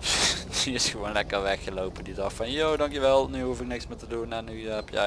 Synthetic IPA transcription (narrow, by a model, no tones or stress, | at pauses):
iɪsxəʋoːnlɛkərʋɛxəlowpədidɑxfɑnjoːdɑŋkjəʋɛlˠnyhufɪk̚nɪksmɪtədunanypjɛ̰